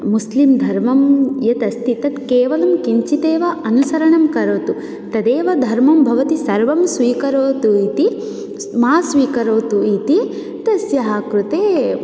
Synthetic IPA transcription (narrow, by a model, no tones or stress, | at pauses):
muslimd̪ʱɐɾmɐmjɐt̪ɐst̪ʰit̪ɐt̪keːʋɐlɐmkiɲt͡ʃit̪eːʋɐʔɐnusɐɾɐɳɐmkɐɾoːt̪u | t̪ɐd̪eːʋɐd̪ʱɐɾmɐmbʱɐʋɐt̪isɐɾʋɐmsʋiːkɐɾoːt̪uit̪i | maːsʋiːkɐɾoːt̪uit̪i | t̪ɐsjɐɦɐkɾut̪eː